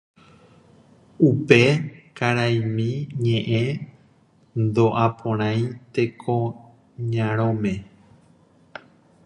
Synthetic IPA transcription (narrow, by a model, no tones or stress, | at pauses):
upe̞kaɾajmĩɲẽ̞ʔẽ | nd̪oʔapʰõɾ̃ãj̃t̪e̞kʰo | ɲãɾ̃õmẽ